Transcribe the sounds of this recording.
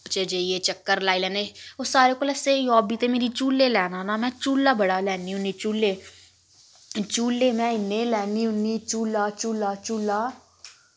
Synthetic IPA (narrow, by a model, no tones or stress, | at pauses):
t͡ʃed͡ʒeieːt͡ʃəkːəɾlaːiːlɛːneoːsaːɾeːkoːləseːjɔːbiːt̪eːmeːɾiːt͡ʃuːleːlɛːnaːnaːmɛ̃ːt͡ʃuːlːaːbəɽaːlɛːniːɦʊniːt͡ʃuːleː | t͡ʃuːleːmɛ̃ːɪnẽːlɛːniːɦʊniːt͡ʃuːlaːt͡ʃuːlaːt͡ʃuːlaː